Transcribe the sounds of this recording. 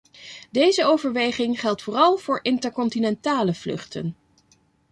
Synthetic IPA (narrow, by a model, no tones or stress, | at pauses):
dejzəowvəɹʋejχɪŋχɛlˠtfʊːrɑlˠv̥ʊːɹʔɪntəɹkɔntinɛntaːləv̥lɵ̰χtə̰n